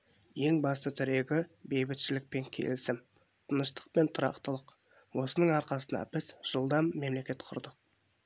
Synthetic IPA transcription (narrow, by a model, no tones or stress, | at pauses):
je̞ŋbɑst̪ət̪ʰɪɾe̞ɡʲɪbe̞jbɪt̪ʃɪlɪk̚pe̞ŋkʲʰe̞̰lɪsɪm | t̪ʰənəʃt̪ə̥q̚pe̞nt̪ʰʊɾɑ̰qt̪əlˠəq | wo̞sənəɴɑɾqɑsənɑ̰bɪzʒ̥əlˠd̪ɑmːe̞mle̞kʲe̞t̪qʰʊ̰ɾd̪əq̚